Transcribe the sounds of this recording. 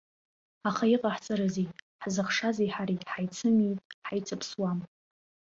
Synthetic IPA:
aχaiqʼaħt͡sʼɨɾɨzej | ħzɨχʂazejħaɾiħajt͡sʰɨmijtʼħajt͡sʰʼɨpʰswam

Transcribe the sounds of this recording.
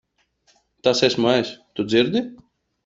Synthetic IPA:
t̪asɛsʲmajsʲt̪ud̪ziɾd̪ʲi

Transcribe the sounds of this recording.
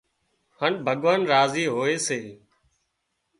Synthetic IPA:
həɳbʱəɠʋaːnɾaːziːɦoːeːseː

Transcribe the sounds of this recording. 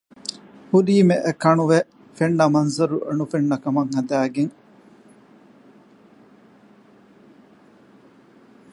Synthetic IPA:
hudiːmeʔekɐnuʋe | feɳːɐmɐnzɐɾuʔɐ̰nufeɳːɐkɐmɐŋhɐd̪æːɡeŋ

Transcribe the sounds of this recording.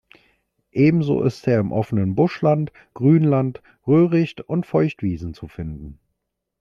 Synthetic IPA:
ʔeːbm̩zo̰ːʔɪsteːɐɪmʔɔfənənbʊʃlant | ɡ̥ʁyːnlant | ʁøːʁɪçtʊntfɔʏçtv̥iːzn̩t͡sufɪndn̩

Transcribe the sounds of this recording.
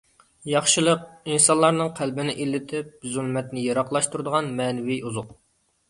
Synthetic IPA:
jɑχʃɨlˠəq̚insɑnlˠɑɾnɨŋqʰælbɪnɪʔilːɪt̪ʰɪp̚zylˠmɛt̪nɪjɑɾɑχlˠɑʃt̪uɾɨd̪əʁɑnmɛːnɪwiuzʊq

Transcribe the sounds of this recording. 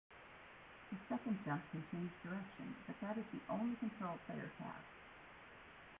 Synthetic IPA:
ðɨsɛkɨ̃ndsɛ̃fkʰɨ̃nt͡ʃʰẽɪ̃nʉzdə˞ɛkʃɨ̰̃nb̥ʌt̪̚ðɨɾɨzðiʔõʊ̃nlikʰɨ̃ntʰɹ̥oʊlˠpʰeɪə̰˞kʰæ̰f

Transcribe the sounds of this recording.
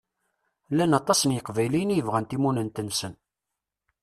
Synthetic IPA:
lːænɑt̪ˤɑsənjəqvæjlijnjəvʁænt̪imunənt̪ənsən

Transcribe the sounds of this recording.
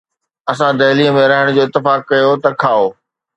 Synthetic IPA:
ɐs̬ãd̪ɐɦliːə̃mẽɾɐɦɪəɽ̃d͡ʑoːɪt̪ːɪfaːkkɐjot̪ɐkʰaːoː

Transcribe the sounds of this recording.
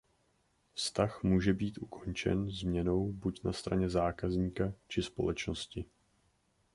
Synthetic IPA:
fst̪axmuːʒɛbiːt̪ʔukʰo̞nt͡ʃɛ̰nzmɲɛno̞wbucnast̪ɾa̰ɲɛzaːkazɲiːkat͡ʃɪspo̞̰lɛt͡ʃno̞scɪ

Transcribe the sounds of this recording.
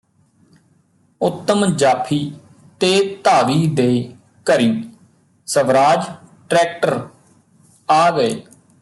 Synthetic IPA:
ʊt̪ːəmd͡ʒaːpʰiː | t̪eːt̪aːʋiːd̪eː | kəɾiː | səʋɾaːd͡ʒʈɾɛːk̚ʈəɾ | aːɡəeː

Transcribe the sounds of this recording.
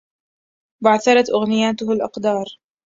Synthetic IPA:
baʕθɑɾˤɑt̪ʔʊɣnɪjaːt̪ʊhalʔɑqd̪ɑːɾˤ

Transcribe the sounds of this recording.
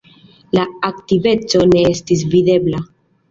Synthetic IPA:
laaktive̞t͡so̞ne̞estis̬vide̞bla

